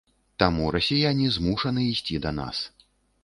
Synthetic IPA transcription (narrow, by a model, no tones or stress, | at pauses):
t̪amuɾɐsʲijanʲizmuʂɐnɨisʲt͡sʲid̪ɐna̰s